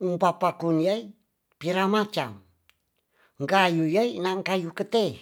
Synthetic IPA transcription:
umpapakunjai | piɾamat͡ʃa̰m | ŋkajujainaŋkajukət̪e

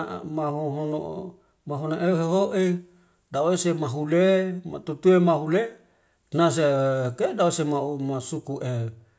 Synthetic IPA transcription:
maɦoɦono̰ | maɦonoʔeɦeɦoʔe | daoesemaɦulema̰t̪ut̪uemaɦule | nas̬ekedaosemaumasukuʔe

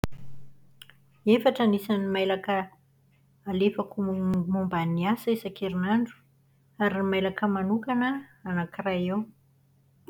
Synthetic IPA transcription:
efaʈ͡ʂənisanimajlakəː | lefakumumbaniasisakʰeɾinaɳɖ͡ʐu̥ | aɾimajlakəmanukanəanakirajew

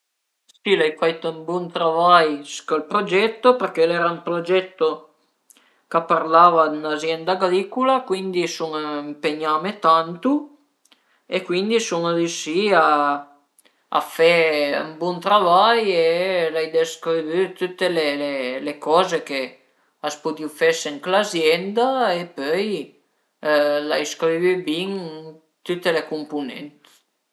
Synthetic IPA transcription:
silajfajt̪oumbɔnt̪ɾavajskolpɾod͡ʒɛt̪ːoperk̟elɛːɾaumpɾod͡ʒɛt̪ːo | kapːarlaːvad̪unazjɛnd̪aɡɾikulakwind̪isuŋimpeɲaːmet̪ant̪u | ekːwind̪isund̪iʃia | a̰fɛə̰mbɔnt̪ɾavajelajd̪eskɾiβyt̪yt̪ːelelelekɔːzeke | aspud̪iwfɛseŋklazjɛnd̪aepøj | la̰jskɾivybiŋ | t̪yt̪ːelekumpunɛ̰nt̪

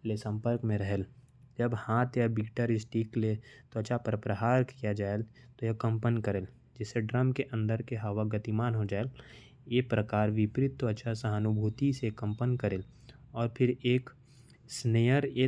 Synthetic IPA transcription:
lesə̃mpəɾkmẽɾəɦeːl | d͡ʒəbhãːt̪ʰjabɪkʈəɾɪsʈiklet̪oɐt͡ʃʰapəɾəpɾəɦaːɾkijad͡ʒaːelt̪ojekə̃mpənkəɾeːl | d͡ʒɛseɖɾəmkeʔə̃nd̪əɾkeɦəʋaɡət̪imaːnɦod͡ʒaːel | jepɾəkaːɾʋɪpɾɪt̪ːoɐt͡ʃʰasəɦənʊbʱuːt̪isekə̃mpənkəɾeːl | ɔːɾpʰɪɾeːk | sneːjəɾeː

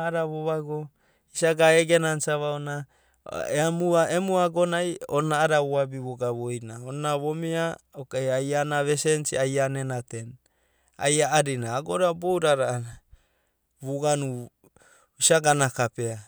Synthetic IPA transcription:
aɾaβoβaɡo | isaɡaeɡenansaβaona | eamuaʔemuaɡonajonaːɾaβuabiβoɡaβojnaoaβomiaokeajanaβesensiajanenaten | a̰jaːɾinaːɡoɾabowɾaɾa | βuɡanu | isaɡanakapea

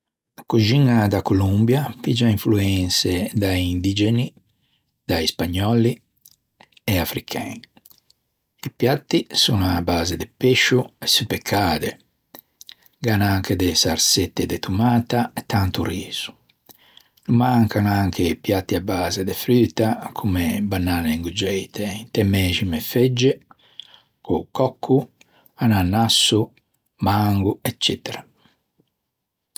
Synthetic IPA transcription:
kud͡ʒiŋad̪akolumbjapid͡ʒaiɱfluɛnsed̪aind̪id͡ʒeni | d̪aispaɲːɔli | ɛafɾikʰɛ̰ːni | ipjat̪ːisunabːaːzed̪epeʃːuesupekʰːaːd̪e | ɡaːnaaŋkʰed̪esaɾset̪ːed̪et̪ʰumaːt̪aɛt̪ːant̪uriːz̥u̥ | numaŋkaŋaŋkʰepjat̪ːiabːaːzed̪efɾyːt̪akʰumebanːaːneŋɡud͡ʒɛjt̪ʰeint̪ɛmɛːʃimefed͡ʒːe | kokːɔkʰːu | ananːasːu | maŋɡuɛt͡ʃːɛt̪eɾa

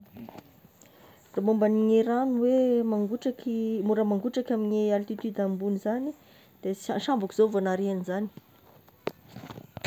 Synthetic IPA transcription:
ramombaniŋeɾanuwemaŋɡuʈ͡ʂakimuɾəmaŋɡuʈ͡ʂakaminealt̪it̪yd̪ambunizani | d̪̥eaʃambakiz̥ovanaɾeanizani̥

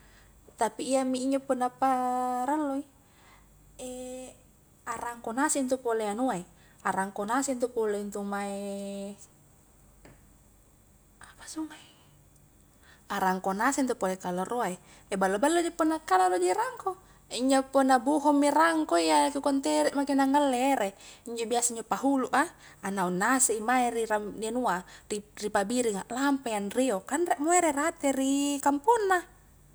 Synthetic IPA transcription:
t̪apiːamiiɲd͡ʒapunapaɾalːoi | e | araŋkonasint̪upoleanuai | aɾaŋkonasint̪upoleint̪umae | apḁsumai | aɾaŋkonasent̪̬upolekalaroai | ebalːobalːod͡ʒipɔnːakalalod͡ʒiɾaŋko | iɲd͡ʒoponabuɦɔmːiraŋkoijakukɔnt̪eɾɛʔmakenaŋalːeɾeiɲd͡ʒobiasaiɲd͡ʒopaɦuluʔaanaunːaseimairiɾamdenuariripabiɾiŋaʔlampajanriokanreʔmoeɾerat̪erikampunːa

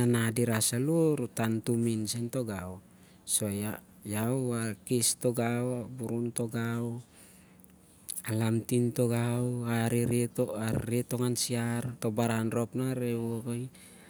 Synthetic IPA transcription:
anadiɾasaluɾutantuminsento̞ɡaw | soja | jawakistoɡawabuɾunto̞ɡaw | alamtintoɡawaɾiɾitoaɾito̞ŋansiaɾto̞baɾanɾo̞pnaɾewokoj

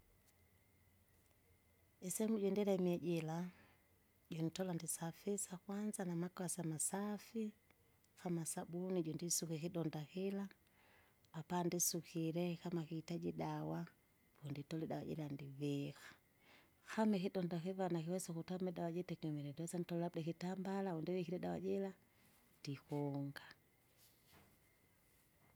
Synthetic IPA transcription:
isɛmuɟɛndilɛmiɛɟɛla | ɟɔnitɔlandisafisakwanzanamakwasamasafi | xamasabuniɟɔndisukikiɗɔndakilaː | pandisukiɾɛkamakiːtad͡ʒiɗawa | vɔnditɔliɗawaɟɛ̰landivixḁ | xamɛkiɗɔndakivanakiwɛsɔkutamɛɗawad͡ʒɛtɛkɛmɛɾɛndiwɛsanitɔlladɛkitambalaundiwikiɾɛɗawa̰d͡ʒɛla | ndikɔŋɡa

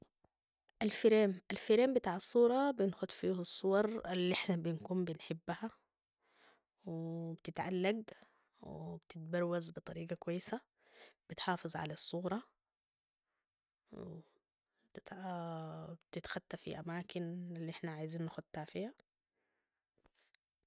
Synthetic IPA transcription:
ʔalfɪɾeːmʔalfɪɾeːmbɪt̪aːʕɑsˤːuːɾˤɑbɪnxʊd̪fiːhasˤːuwɑɾˤalːiʔɪħnabɪnkuːmbɪnħɪbːaha | wɪbt̪ɪt̪ʕalːaɡ | wɪ̰bt̪ɪt̪̚bɑɾwazbɨt̪ˤɑɾiːɡakwajːɪsa | b̥ɪt̪ħɑːfɨzˤʕa̰lasˤːuːɾˤɑ | w | t̪t̪ | bt̪ɪt̪xat̪ːafḭʔamaːkɪnlːiʔɪħnaʕaːjziːnːaxʊd̪̚t̪aːfiːha

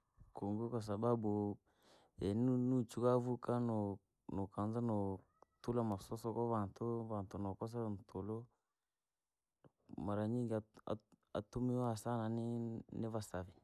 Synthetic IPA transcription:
koŋɡokas̬ababu | ɛnnut͡ʃukavukanɔ | nokanzanɔ | tulamasɔsɔkɔvantovantɔnɔkɔs̬ɛn̩tʰolo | maɾaɲiŋɡaa̰ | a̰tumiasananɪnɪvasavi

